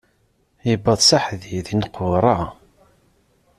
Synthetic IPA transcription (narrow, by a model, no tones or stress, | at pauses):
jəbːəðˤsaħðiðinqʊɾˤɑ